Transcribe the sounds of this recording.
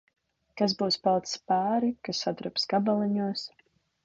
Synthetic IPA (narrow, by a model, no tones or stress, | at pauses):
kazbuːspalˠt̪spaːɾikasːad̪ɾɨpskabalˠɛɲuɔs